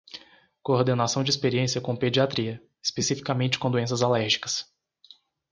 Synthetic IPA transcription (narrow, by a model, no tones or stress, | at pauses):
koɾd̪enasɐ̃w̃d͡ʒɪispeɾiẽsijɐkõped͡ʒiat̪ɾiɐ | espesifi̥kamẽnt͡ʃɪ̥kõd̪uẽs̬ɐzalɛɾʒikɐ̥s